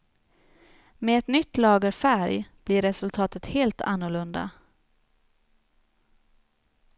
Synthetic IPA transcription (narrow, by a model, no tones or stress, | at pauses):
meɛt̪nʏt̪ːlɑːɡəɾfæɾjb̥liɾɛsɵlt̪ʰɑːt̪ət̪heːlt̪ʰa̰nːʊɭɵnd̪a̰